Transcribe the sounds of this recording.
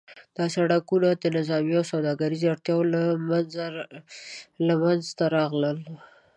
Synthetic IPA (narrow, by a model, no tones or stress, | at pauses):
d̪̥ɑsaɽakunad̪ənɪzɑmijawsawd̪ɑɡaɾizaɽt̪jɑwz | lamanzt̪aɾɑɣləl